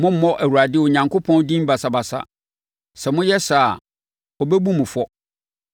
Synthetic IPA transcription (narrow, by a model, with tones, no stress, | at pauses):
mʊ̃˦m̩˦mɔ̃˦ʔæ˨wu˨ɾa˨dɪ˦wɔ˨ɲã˨ŋkʰo˦pʰɔ̃˦ndĩ˦m˦ba˨sa˦ba˨sa̰˦ | sɛ˨mʊ̃˦jɛ˦sa˨ | ɔ˨bɛ˦bu˦mʊ̃˨fɔ˦